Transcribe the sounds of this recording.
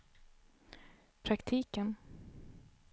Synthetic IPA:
pʰɾakt̪ʰiːkən

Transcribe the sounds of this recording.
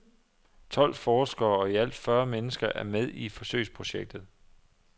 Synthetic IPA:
t͡sʰɒ̽l̰fɒːsɡ̥ɐːɒ̽iæl̰d̥fɶːɐmenəsɡ̥ɐʔæɐmeð̞ˠifɒ̽sø̰ɪ̰spʰʁo̝ɕeɡ̥̚d̥ð̩ˠ

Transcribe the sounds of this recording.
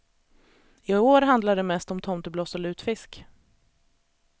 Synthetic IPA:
ɪoːɾɦand̪laɖɛmɛst̪ɔmt̪ʰɔmt̪əblɔːsɔlʉ̟ːt̪fɪsk

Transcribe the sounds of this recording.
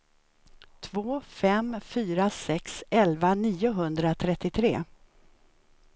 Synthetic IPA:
t̪ʰvoːfɛmfyːɾasɛksɛlvaniːʊɦɵnd̪ɾat̪ʰɾɛt̪ːɪt̪ʰɾḛː

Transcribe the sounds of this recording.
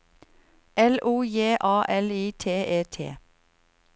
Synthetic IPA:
ɛluːjeːʔɑːʔɛliːt̪ʰeːʔeːt̪ʰḛː

